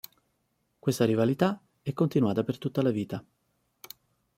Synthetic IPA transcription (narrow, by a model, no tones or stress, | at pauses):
kwest̪aɾivalit̪a | ɛkːont̪inuaːt̪apert̪ut̪ːalaviːt̪a